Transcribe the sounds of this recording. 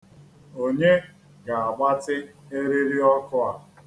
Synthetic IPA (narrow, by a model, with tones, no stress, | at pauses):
o˦˨ɲe˦ | ɡa˨a˨ɡ͡ba˦tɪ˦e˦ɾi˦ɾi˦ɔ˦kʊ˦a˦